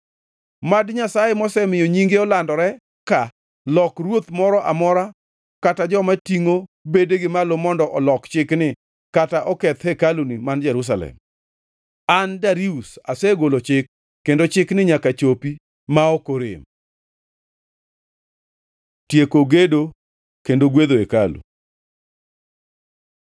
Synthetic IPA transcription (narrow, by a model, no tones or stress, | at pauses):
madɲasajemɔsɛmɪjoɲiŋɡeɔlandɔɾɛ | ka | lɔkrwot̪mɔɾɔʔamɔɾa | katad͡ʒɔmatiŋobedeɡɪmalomɔndɔʔɔlɔkt͡ʃɪknɪ | kataʔɔkɛt̪hɛkalunimand͡ʒɛɾus̬alɛ̰m | andaɾiusasɛɡolot͡ʃɪkː | endot͡ʃɪknɪɲakat͡ʃopi | maokoɾɪ̰m | tjekoɡedo | kendoɡwed̪oekalṵ